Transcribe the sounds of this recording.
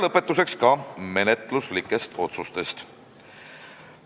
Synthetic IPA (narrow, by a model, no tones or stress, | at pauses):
lɤpːet̪ˑːus̬e̞kskɑme̞net̪ˑluslikːˑe̞st̪o̞t̪sust̪e̞st̪